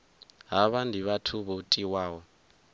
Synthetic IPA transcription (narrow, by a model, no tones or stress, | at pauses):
ɦaβandʱiβatʰuβɔtʼiwaːwɔ